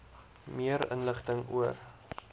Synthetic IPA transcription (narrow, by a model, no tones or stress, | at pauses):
miəɾə̰nləχtəŋuər